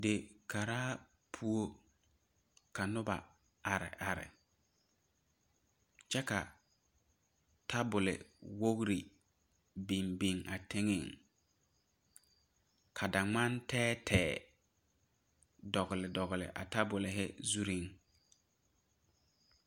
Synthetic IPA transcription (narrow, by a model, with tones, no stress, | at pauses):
dɪ˨ka˨ɾaː˦ | pʰu˦o˦ | ka˨nʊ˦ba̰˨ | a˨ɾɪ̰˨ʔa˨ɾɪ̰˨ | t͡ʃɛ˦ka̰˨ | tʰa˦bʊ˨lɪ̰˨wo˦ɣɾi˨ | bi˨mbi˨ŋʔa˨tɪ˦ŋɪ˦˨ŋ | kʰa˨da˨ŋ͡ma˦ntʰɛː˦tʰɛː˨ | dɔ˨ɣɪ˨lɪ˨dɔ˨ɣɪ˨lɪ̰˨ʔa̰˨ta˦bʊ˨lɪ˨ɦɪ̰˦zu˦ɾi˦ŋ